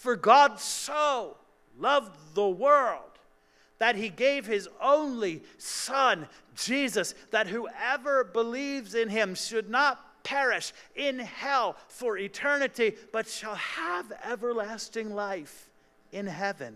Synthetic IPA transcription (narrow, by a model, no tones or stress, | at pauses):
fə˞ɡɑdsoʊ | lʌvðəwɜ˞lˠd̪̚ | ðɨt̚hiɡeɪv̥ɪzõʊ̃nlisʌ̃n | d͡ʒizɨsðɨt̚huɛvə˞bəlivzɨ̃nɪ̃mʃɨdⁿnət̚pʰɛɹɪʃɪ̃nhɛlˠfə˞ɪtʰɜ˞nɨɾib̥ʌtʃəlˠəvɛvə˞læstɪ̃ŋlaɪf | ɨ̃nɦɛvɨ̰̃n